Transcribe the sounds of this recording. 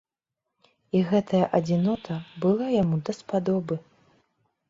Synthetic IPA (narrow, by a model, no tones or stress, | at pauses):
iɣɛt̪ʰɐjɐʔɐd͡zʲinɔt̪ʰɐbɨlˠajamud̪ɐspad̪ɔbɨ